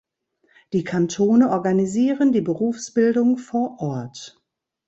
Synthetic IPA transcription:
d̥iːkʰantʰoːnəʔɔɐɡaniziːʁəndiːbəʁuːfsb̥ɪldʊŋfoːɐʔɔɐt

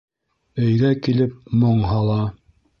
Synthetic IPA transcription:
ɵ̆jɡækilɘp̚moɴɦɑlˠɑ

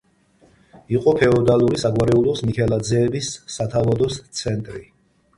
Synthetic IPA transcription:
iqʼɔpʰɛɔd̪alˠuɾisaɡwaɾɛulˠɔsmikʰɛlˠad̪zɛːbisːat̪ʰavad̪ɔst̪sʰɛnt̪ʼɾḭ

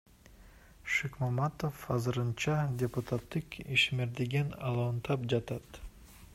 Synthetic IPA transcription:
ʃekmɑmɑt̪ofɑzɯɾɯnt͡ʃɑdʲeput̪at̪ːɯkiʃmeɾd̪iɡinɑlˠɑnt̪ɑp̚d͡ʒɑt̪ɑt̪

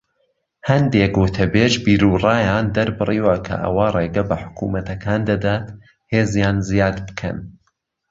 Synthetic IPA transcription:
hɐnd̪eːɡʊt̪ʰɐbeːʒbiːɾuːrˤɑːjaːnd̪ɐɾbɨriːwɐkʰɐ̰ʔɐ̰waːrˤeːɡɐbɐħʊ̥kʰṵmɐt̪ɐkʰaːnd̪ɐd̪aːt̪ | heːzjaːnzijaːd̪bɨ̥kʰɐ̰n

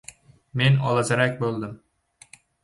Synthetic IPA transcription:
menɒlˠazaɾak̚ʲbolˠd̪ɪm

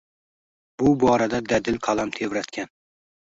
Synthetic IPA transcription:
b̥ʊbɒɾad̪ad̪ad̪ɪlqʰɑlˠamt̪ʰevɾat̪kʲan

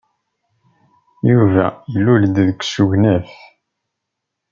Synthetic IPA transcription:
juvæ̰jəlːuld̪ðəksuʝnæf

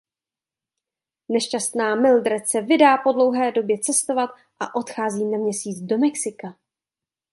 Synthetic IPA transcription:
nɛʃcast̪naːmɪldɾɛt͡sɛvɪdaːpo̞dlo̞wɦɛːdo̞bjɛt͡sɛst̪o̞vat̪ | ʔa̰ʔo̞t̪xaːziːnamɲɛsiːt͡sdo̞mɛksɪka

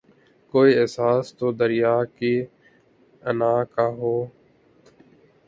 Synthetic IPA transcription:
koːiːeːsaːst̪oːd̪əɾɪjaːkiː | ənaːkaːɦoː

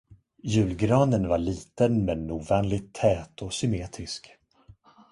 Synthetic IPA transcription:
jʉ̟ːlɡɾɑːnənvaɭiːt̪ənmɛnːuːvɛːnlɪt̪ʰːɛːt̪ɔsʏmeːt̪ʰɾɪsk

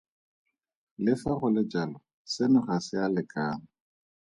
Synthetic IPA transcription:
lɪfaɣʊlɪd͡ʒalɔ | sɪnʊχasɪalɪkʼaːnʊ

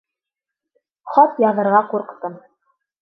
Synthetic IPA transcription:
χɑt̪jɑðɤ̆ɾʁɑquɾqt̪ɤm

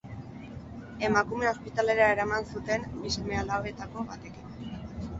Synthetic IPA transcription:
e̞makume̞o̞spit̪ale̞ɾaeɾamansut̪e̞nbise̞mealaβe̞t̪ako̞βat̪e̞kiko

